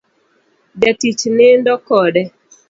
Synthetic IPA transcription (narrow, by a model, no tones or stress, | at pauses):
dɛtit͡ʃnɪndɔkɔdɛ